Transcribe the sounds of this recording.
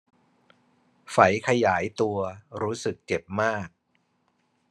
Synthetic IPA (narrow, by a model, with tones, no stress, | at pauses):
fa˨˩˦jkʰa˧jaː˩˦jt̪u˧ɐɾuː˦˥sɯ˨˩k̚t͡ɕe˨˩p̚maː˥˩k̚